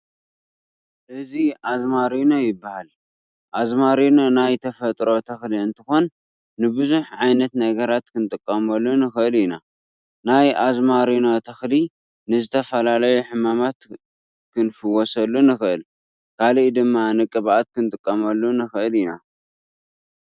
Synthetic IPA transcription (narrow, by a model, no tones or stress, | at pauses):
ʔɨziʔazmaɾinojɪbːahal | ʔazmaɾinonajt̪ʰɐfɐt̪ʼɾo̞t̪ʰɐxliɨnt̪ʰɨxo̞nː | ɨbɨzuħʕajnɐt̪nɐɡɐɾat̪kʰɨnt̪ʼɨkʼːɐmɐlːunɨxɨɨlɪna | najʔazmaɾinot̪ʰɐxli | nɨzɨt̪ʰɐfɐlalɐjuħɨmamat̪ | kʰɨnfɨwɔsɐlːunɨxɨʔɨl | kʰalʔid̪ɨmːanɨkʼːɨβʔat̪̚kʰɨnt̪ʼɨkʼːɐmɐlːunɨxɨʔɨlina̰